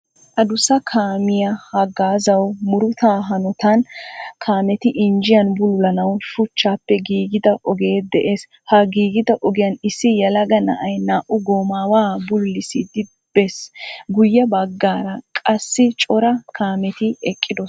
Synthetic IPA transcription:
ʔɐd̪ʊsɐkʰaːmɪjɐhɐɡaːzɐwmʊɾʊt̪aːɦɐnɔt̪ɐnkʰaːmɛt̪ɪʔɪnd͡ʒɪjɐnbʊlʊlɐnɐwʃʊt͡ʃːaːpːɛɡiːɡɪd̪ɐʔɔɡe̞ːd̪ɛʔeːs | hɐɡiːɡɪd̪ɐʔɔɡɪjɐnɪsːɪjɐlɐɡɐnɐ̰ʔɐjnaːʔʊɡoːmaːwaːbʊlːɪsɪd̪ɪ | b̥ɛsɡʊjːɐbɐɡːaːɾɐkʼɐsːɪt͡ʃʼɔɾɐkʰaːmɛt̪ɪɛkʼːɪd̪ɔs

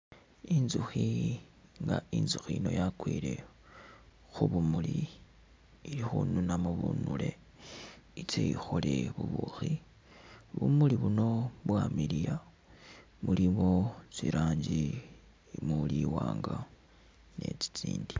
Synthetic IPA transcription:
inzuxi | ŋɡainzuxiino̞jakwiːle̞ | xuβumuliː | lixununamuβunule̞ | it͡seixo̞le̞βuβuxi | βumuliβuno̞βwamilija | muliβo̞t͡siɾaːɲɟi | muliwaːŋɡa | ne̞t͡si̥t͡siːndi

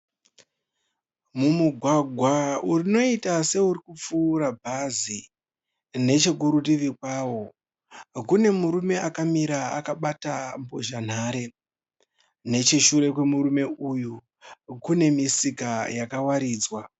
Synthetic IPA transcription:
mumuɡʱwaɡʱwaurino̞itase̞uɾikup͡fuːɾabʱazi | ne̞t͡ʃe̞kuɾutiʋikwawo̞ | kune̞muɾume̞akamiɾaakaɓatambo̞ʒan̤aːɾe̞ | ne̞t͡ʃiʃuɾe̞k̬we̞muɾume̞uju | kune̞misikajakawaɾiːd͡zwa

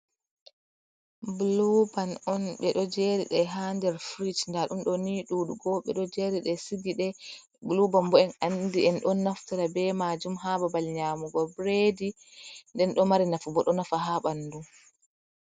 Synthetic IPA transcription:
blubanɔnɓɛɗɔd͡ʒɛɾḭɗɛɦandɛɾfɾit͡ʃndaɗumɗɔniɗuːɗuɡɔɓɛ̰ɗɔd͡ʒeɾiɗɛsiɡiɗɛ | blubambɔɛnandiɛnɗɔnːaftaɾabɛmad͡ʒumɦababalɲaːmuɡɔbɾedi | ndɛnɗɔmaɾinafubɔɗɔnafaɦaɓanːdum

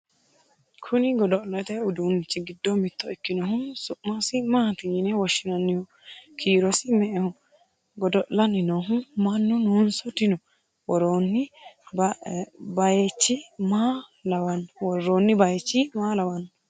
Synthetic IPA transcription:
kʰʊnɪɡɔd̪ɔʔlɐt̪ɛʊd̪unt͡ʃːɪɡɪd̪ːɔmɪt̪ːɔɪkːɪnɔɦʊsʊʔːɔsɪmaːt̪ɪjnɛwɔʃːɪnɐnːɪhɔ | kʰiːɾɔsɪmɛʔɛhɔ | ɡɔd̪ɔʔlɐnɪnɔɦʊmɐnːʊnunsɔt̪ɪnɔ | wɔɾoːnːɪb | bɐjɛt͡ʃːɪmaːlɐwɐnwɔɾːoːnːɪbɐjɛt͡ʃːɪmaːlɐwɐn

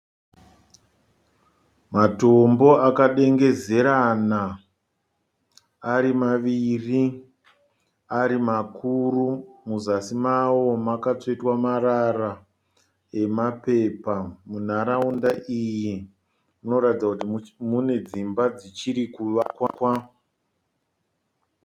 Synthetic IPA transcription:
matombo̞akaɗe̞ŋɡe̞ze̞ɾana | ɾimaʋiri | aɾimakurumuzasimawo̞makat͡soitwamaɾara | e̞mape̞ːpamun̤aɾaundaʔiji | muno̞ɾatid͡zakutimune̞d͡zimbad͡zit͡ʃiɾikuʋakwakwa

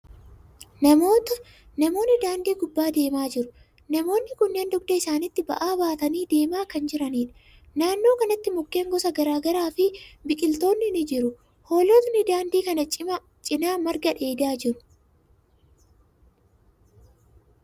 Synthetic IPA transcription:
nɐmo̞ːt̪ɐ | nɐmo̞ːnːɪd̪aːnd̪iːɡʊbːaːd̪e̞ːmaːd͡ʒɪɾʊ | nɐmo̞ːnːɪkʊnːeːnd̪ʊɡ̚d̪ɐɪsaːnɪt̪ːɪbɐ̰ʔaːbaːt̪ɐniːd̪e̞ːmaːkɐnd͡ʒɪɾɐniːᶑɐ̥ | naːnːo̞ːkɐnɐt̪ːɪmʊkːe̞ːŋɡɔsɐɡɐɾaːɡɐɾaːfɪbɪkʼɪlt̪o̞ːnːɪnɪd͡ʒɪɾʊ | ho̞ːlot̪nɪd̪aːnd̪iːkɐnɐt͡ʃʼɪmɐ | t͡ʃʼɪnaːmɐɾɡɐᶑe̞ːd̪aːd͡ʒɪɾʊ̥

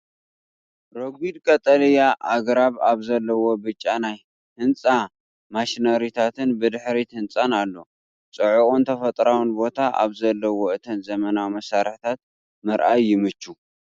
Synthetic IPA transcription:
ɾoɡʷid̪kʼɐt̪ʼɐlijaʔaɡɾaβaβzɐlːɐwo̞bɨt͡ʃʼːanaj | hɨnt͡sʼa | maʃnɐɾit̪ʰat̪ʰɨnbɨd̪ɨħɾit̪ʰɨnt͡sʼanalːo̞ | t͡sʼɨʕukʼont̪ʰɐfɐt̪ʼɾawɨnbo̞t̪ʰaʔa̰βzɐlːɐwo̞ɨt̪ʰɐnzɐmɐnawimɐsaɾħt̪ʰat̪̚ | mɨɾʔajːɪmɨt͡ʃːu

